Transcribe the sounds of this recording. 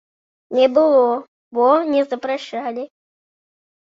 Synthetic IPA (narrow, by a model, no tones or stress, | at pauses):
nʲɛbɨlˠɔ | bɔnʲɛzɐpɾɐʂalʲɪ